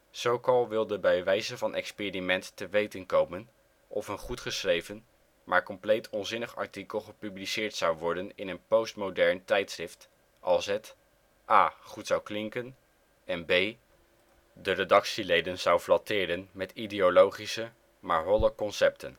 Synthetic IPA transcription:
z̥owkɑlˠʋɪlˠdəbɛjʋɛjzənvɑnʔɛkspeːrimɛntːəʋejtənkowmən | ʔɔfənχutχəsrejvən | maːɹkɔmplejtʰɔnzɪnəχɑ̰ɹtikəlˠχəpyblisɪːɹtsɑwʋɔɹdənɪnənpowstmowdɛɹntɛjtsrɪft | ʔɑlˠsət | ʔaːχutsɑwklɪŋkən | ɛnbej | dəredɑksilejdənzɑwflɑtɪːdənmɛtidejolowχisə | maːɹɦɔləkɔnsɛp̚tʰən

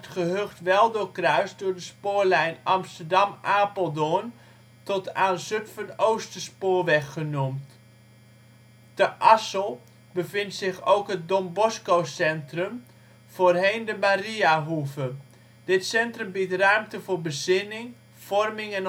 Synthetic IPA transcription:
tχəɦøχtʋɛlˠdʊːkrœɥsdʊːɹdəspoːɹlɛjnɑmstərdɑmaːpəlˠdoən | tɔtaːnzøtfɑnowstəspoːrʋɛχːənumt | d̥əʔɑsəlˠ | bəvɪntsɪχo̰wkɦət̚dɔmbɔskowsɛntrəm | v̥oːrɦejndəmariaɦuvə | d̥ɪtsɛntrəmbitrœɥmtəvoːɹbəzɪnɪŋ | v̥ɔrmɪŋɛn

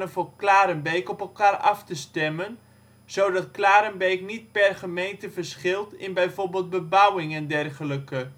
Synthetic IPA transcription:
nəvoːklaːɾənbejkɔpɛlˠkaːrɑftəstɛmən | z̥owdɑtklaːɾənbejknit̚pɛrχəmejntəvərsχɪlˠtɪnbɛjvorbeːlˠd̚bəbawɪŋɛndɛrχələkə

